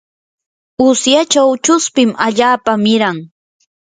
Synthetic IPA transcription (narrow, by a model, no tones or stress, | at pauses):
ʊsjat͡ʃawt͡ʃʊspɪmaʎaːpamɪɾaŋ